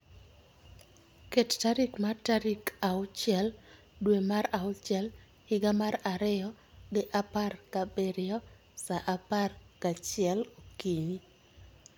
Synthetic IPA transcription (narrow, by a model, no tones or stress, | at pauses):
kettaɾikmataɾikaʊt͡ʃɪɛl | dwemaɾaʊt͡ʃɛl | hɪɡamaɾaɾɪjɔ | dɪʔaparkabeɾɪɔ | saʔaparkat͡ʃɪɛlokiɲi